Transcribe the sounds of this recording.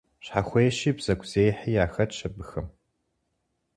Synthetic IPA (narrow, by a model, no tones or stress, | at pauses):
ɕħaxʷejʃiːbz̥ɐɡʷʰz̥eːjħiːjaːxɐt͡ʃʰɐbɨxɨm